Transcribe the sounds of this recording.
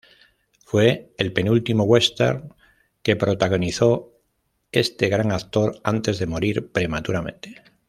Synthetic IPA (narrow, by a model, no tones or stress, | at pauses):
fwe̞ːlpe̞nult̪imoɣwe̞st̪ḛɾ | ke̞pɾo̞t̪aɣ̞o̞niθo̞ | e̞st̪e̞ɣ̞ɾaŋakt̪o̞ɾant̪e̞zðe̞mo̞ɾiɾpɾe̞mat̪uɾamẽ̞̰nt̪e̥